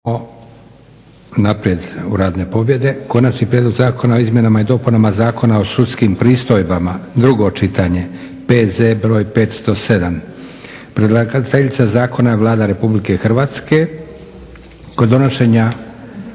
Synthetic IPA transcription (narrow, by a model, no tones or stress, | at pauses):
o | napɾije̞d̪ṵɾaːd̪ne̞po̞bje̞d̪e̞ko̞nat͡ʃnipɾʲjed̪loɡzaːko̞nao̞izmje̞namajed̪o̞punamazaːko̞nao̞sut̪skimpɾiːst̪o̞jbamad̪ɾuɡo̞t͡ʃit̪aɲe̞ | pe̞zebɾo̞ːjpe̞ːt̪st̪o̞se̞d̪am | pɾed̪lˠaɡt̪eʎit̪sazaːko̞najeʋlˠaːd̪aɾe̞publike̞xr̩ʋaːt̪ske̞ | kod̪o̞no̞ʃe̞ɲa